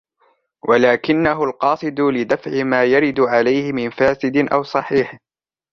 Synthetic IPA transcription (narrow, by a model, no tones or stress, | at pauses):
wʔalaːkɪnːaɦʊlqɑːsˤɨd̪ʊlɪd̪afʕɪmaːjaɾɪd̪ʕalajhɪmɪnfaːsɪd̪ɪʔawsˤɑħiːħ